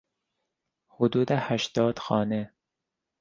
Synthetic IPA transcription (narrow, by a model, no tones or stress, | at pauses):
hud̪uːd̪æhæʃt̪ɒːd̪xɒːne